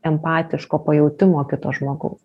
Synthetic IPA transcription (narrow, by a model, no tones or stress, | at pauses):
ɛmpɑːt̪ʲɪʃkoːpɐjɛʊt̪ʲɪmoːkʲɪt̪oːʒmoːɡɐʊs